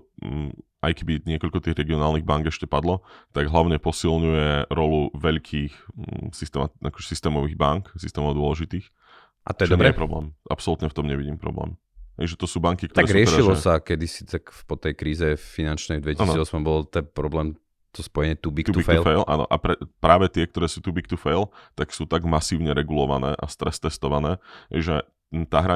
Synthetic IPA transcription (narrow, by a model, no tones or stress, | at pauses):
ajkɛbiɲɪɛkɔʎkɔt̪iːɣɾɛɡiɔnaːlniɣbaŋɡɛʃcɛpad̪lɔt̪aɡɦlaʊɲɛpɔsilɲujɛɾɔluʋɛʎkʰiːxsist̪ɛmaakɔ̥ʒɛsist̪ɛːmɔʋiːɣbaŋksist̪ɛːmɔd̪ʊɔlɛʒit̪iːx | ʔa̰t̪ɔjɛd̪ɔmɛɛpɾɔblɛːmʔapsɔlut̪ɲɛft̪ɔmɲɛʋiɟiːmpɾɔ̰blɛ̰ːm | ɦɛ̰ɪʒɛt̪ɔsuːbaŋkikt̪ɔaɾɛɡɾɪɛʃɾilɔsakɛd̪isit̪akfpɔt̪ɛjkɾiːzɛfinant͡ʃnɛjd̪ʋɛciasnɔiɔsmambɔlt̪ɛpɾɔblɛːm | t̪ɔspɔjɛɲɛt̪ubikt̪t̪fɛlfɛjlʔa̰ːnɔ̰ʔa̰pɾɛpɾaːʋɛt̪ɪɛk̚t̪ɔɾɛːsuːt̪ubik̚t̪ufɛjlt̪aksuːt̪aɡmasiːʊɲɛɾɛɡulɔʋa̰nɛ̰ːʔa̰st̪ɾɛst̪ɛst̪ɔʋanɛːɦɛ̰ɪʒɛ | t̪aːɦɾa